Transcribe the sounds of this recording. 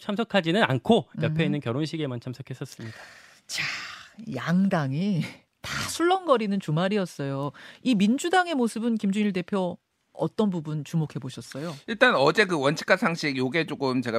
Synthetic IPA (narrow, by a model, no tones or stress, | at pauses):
t͡ɕʰamsʰʌkʰad͡ʑinɯnankʰojʌpʰeinːɯnkjʌɾonɕ̬ʰiɡe̞mant͡ɕʰamsʰʌkʰe̞s͈ʌs͈ɯmɲid̥a | t͡ɕajaŋdaŋi | tasʰuɭːʌnɡʌɾinɯnt͡ɕumaɾiʌs͈ʌjoimind͡ʑudaŋe̞mosʰɯbɯnkimd͡ʑuɲiɭde̞pʰjo | ʌ̰t͈ʌnbubunt͡ɕumokʰe̞boɕʰʌs͈ʌjoiɭt͈anʌd͡ʑe̞kɯwʌnt͡ɕʰi̥k͈ʰasʰaŋɕʰiɡjoɡe̞t͡ɕ͈oɡɯmt͡ɕe̞ɡa